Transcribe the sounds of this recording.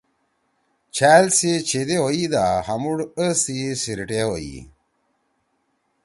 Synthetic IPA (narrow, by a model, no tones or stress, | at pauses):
t͡ɕʰaːlset͡ɕʰed̪eɦoid̪ahɐmuɽəst̪isiɾiʈeɦoḭ